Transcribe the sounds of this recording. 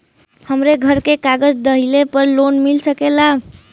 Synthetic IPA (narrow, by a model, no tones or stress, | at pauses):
həmɾeɡʱəɾkekaɡəd͡ʒd̪əɦilepəɾlonmilsəkela